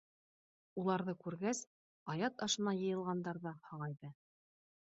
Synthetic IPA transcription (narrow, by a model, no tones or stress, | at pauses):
ulˠɑɾðɤkʉɾɡæs | ɑjɑt̪ɑʃɤ̆nɑjɤ̆jɤ̆lˠʁɑnd̪ɑɾðɑhɑʁɑjðɤ